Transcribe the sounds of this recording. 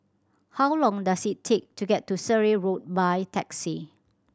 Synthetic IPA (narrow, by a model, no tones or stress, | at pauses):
hawlɔ̃ŋdasitʰːek̚tuɡɛtʰːusəɹeɹot̚bajtʰɛksi